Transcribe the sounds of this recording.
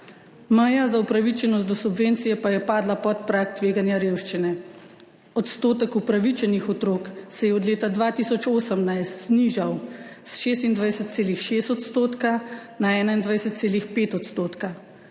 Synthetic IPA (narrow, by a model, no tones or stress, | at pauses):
mɐjazaupɾaʋit͡ʃɛnɔst̪̚d̪ɔsubʋeːnt̪sijɛpajɛpaːd̪lapɔt̪pɾakt̪ʋeːɡanjaɾeːwʃt͡ʃinɛ | ɔt̪st̪oːt̪ɛkupɾaʋit͡ʃɛnixɔt̪ɾoːksɛjɛɔd̪leːt̪ad̪ʋaːt̪isɔt͡ʃoːsəmnajst̪z̥niʒawsʃeːst̪ind̪ʋajsət̪̚seːlixʃeːst̪ɔt̪st̪oːt̪kanaɛːnaind̪ʋajsɛt̪t̪seːlixpeːt̪ɔt̪st̪oːt̪ka